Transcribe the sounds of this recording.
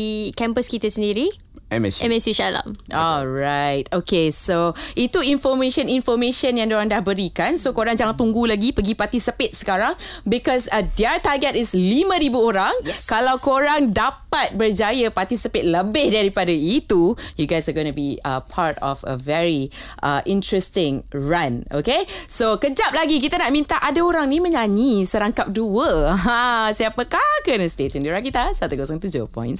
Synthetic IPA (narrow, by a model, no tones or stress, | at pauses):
ikɛ̃mpəskit̪əsəndiɾi | ʔɛ̰mɛ̰siɛmɛsiʃala̰mɔlɹajt̪̚okesoʔit̪uinfɔmẽʃə̃ninfɔmẽʃə̃njãŋdoɾaŋdahbəɾikansokoɾaŋd͡ʒaŋãnt̪uŋɡulaɡipəɡipat̪isəpɪt̪̚sə̥kaɾaŋ | bikɔsədiat̪aɡɛt̪̚ɪslimə̃ɾibuoɾaŋjɛkalawkoɾaŋdapat̪̚bərd͡ʒajəpart̪isipet̪̚ləbɪhdaɾipadait̪ujuɡajsaɡonubiə̰pʰaɹtɔ̰fə̰vɛɹiʔə̰ʔĩntɹɛst̪ɪ̃ŋɹãnʔo̰kesokəd͡ʒap̚laɡik̬it̪anaʔmĩnt̪aʔadaoɾaŋnimə̃ɲaɲisəɾaŋkap̚duəɦãsiapəkakənəst̪et̪ə̃nduɾakit̪asat̪ukosãŋt̪ud͡ʒo̰pɔ̰̃j̃ns